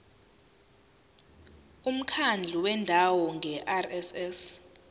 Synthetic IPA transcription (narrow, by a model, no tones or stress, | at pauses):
um̩kʰand͡ɮʱuwɛndʱawɔŋʱɛʔarɛsɛs